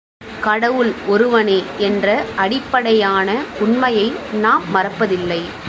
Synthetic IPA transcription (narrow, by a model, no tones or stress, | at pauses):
kɐɽɐʋɯlɔɾɯʋɐneːɛndrɐʔɐɽɪpːɐɽɐjaːnɐʊɳmɐjɐɪnaːmːɐrɐpːɐðɪlːɐɪ